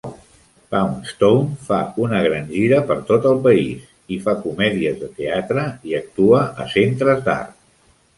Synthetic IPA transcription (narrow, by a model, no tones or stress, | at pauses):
pawnst̪ownfa̰unəɣɾanʲʒiɾəpəɾt̪ot̪əlˠpəis | ifakumɛðiəzðət̪eat̪ɾəiək̚t̪uəʔə̰sent̪ɾəzd̪a̰rt̪